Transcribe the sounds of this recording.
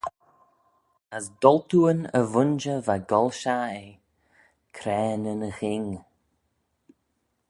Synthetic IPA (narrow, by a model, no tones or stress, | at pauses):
əsd̪ɔlt̪uːənə̰vʊnd͡ʒəvaɡɔlʃae | kʰɾɛːnənəxɪŋ